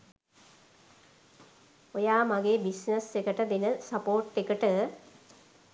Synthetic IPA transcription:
ojaːmaɡeːbisnəsekəʈəd̪enəsapoːʈːekəʈə

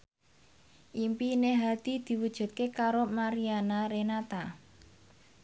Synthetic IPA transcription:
ʔimpineɦad̪̥i̤d̪̥i̤wud̥ʒ̥ṳt̪̚kekaɾomaɾianaɾenat̪a

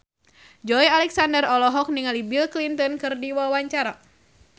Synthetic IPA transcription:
d͡ʒɔjalɛksandərɔlɔɦɔk̚niŋalibilklint̪ɔnkɨrdiwawaɲt͡ʃaɾa

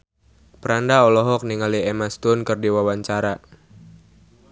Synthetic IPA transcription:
pəɾandaɔlɔɦɔk̚niŋaliemast̪ʊnkərdiwawaɲt͡ʃaɾa

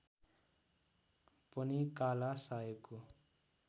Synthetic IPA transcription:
pʌnikalasaeko

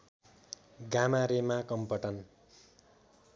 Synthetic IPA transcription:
ɡamaɾemakʌmpʌʈʌn

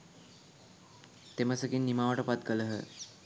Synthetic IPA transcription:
t̪eməsəkinːimaʋəʈəpat̪̚kələɦə̰

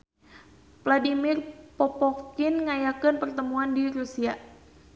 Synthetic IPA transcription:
pladimirpɔpɔktɪnŋajakənpərt̪əmuandiɾusia

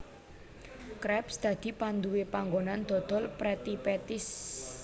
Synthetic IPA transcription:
kɾɛpsd̪̥ä̤d̪̥i̤pand̪uwepaŋɡonand̪̥ɔ̤d̪̥ɔ̤lpɾɛt̪ipɛt̪ɪs

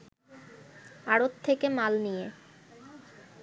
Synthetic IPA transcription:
aɽot̪ʰːekemalnije

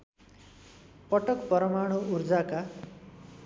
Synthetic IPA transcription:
pʌʈʌkpʌɾʌmaɽ̃uurd͡zaka

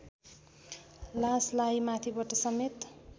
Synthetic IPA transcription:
laslajmat̪ʰibʌʈʌsʌmet̪

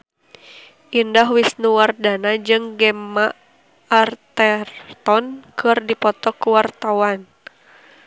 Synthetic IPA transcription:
ʔindaɦwisnuwardanad͡ʒɨŋɡɛmaː | rt̪ɛrt̪ɔnkʰɨrdipɔt̪ɔkuwart̪awan

